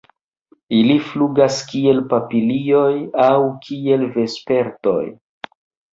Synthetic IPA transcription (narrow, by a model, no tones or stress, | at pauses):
ilifluɡaskie̞lpapilio̞jawkʰie̞lve̞spe̞ɾto̞̰j